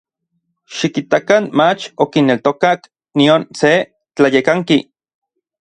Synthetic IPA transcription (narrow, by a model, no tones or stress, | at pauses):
ʃikit̪akanmat͡ʃokinːelt̪okak | nionse | t͡ɬajekaŋki